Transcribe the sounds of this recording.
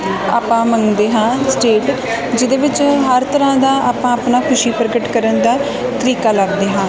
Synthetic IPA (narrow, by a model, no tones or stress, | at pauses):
a̰ːpãːməŋd̪eːɦãːsʈeːʈ | d͡ʒɪd̪eːbɪt͡ʃɦəɾt̪əɾãːd̪aːʔaːpãːapnaːkʰʊʃiːpəɾɡəʈkəɾənd̪aː | t̪əɾiːkaːləɡd̪eːɦãː